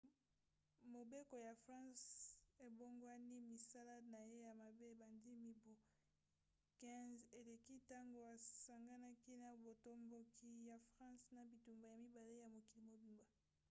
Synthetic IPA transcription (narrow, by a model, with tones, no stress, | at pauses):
mo˨be˦ko˨ja˨fʁɑ̃˦se˨bo˦ŋɡwa˦ni˦mi˨sa˦la˦na˨je˦ja˨ma˨be˦e˨ba˨ndi˦mi˦bo˨ | kɛ̃˦ze˨le˨ki˦ta˦ŋɡo˨a˨sa˨ŋɡa˦na˦ki˦na˨bo˨to˦mbo˦kʰi˦ja˨fʁɑ̃˦sna˨bi˨tu˨mba˨ja˨mi˦ba˨le˦ja˨mo˨ki˨li˨mo˨bi˨mba˨